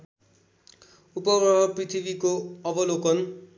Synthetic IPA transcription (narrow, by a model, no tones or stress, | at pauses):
upʌbʌɦʌprit̪ʰibikoʌbʌlokʌn